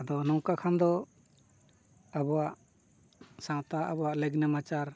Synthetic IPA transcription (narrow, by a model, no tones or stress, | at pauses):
ad̪ɔnɔwkakʰand̪ɔ | abɔwaʔ | sãt̪aʔabɔaʔlɛɡnɛmat͡ʃaɾ